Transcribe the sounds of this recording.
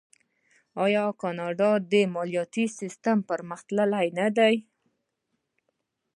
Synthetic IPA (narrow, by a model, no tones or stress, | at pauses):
ɑjɑkɑnɑɖɑd̪əmɑlijɑt̪isist̪ampəɾməxt̪ləlajnad̪aj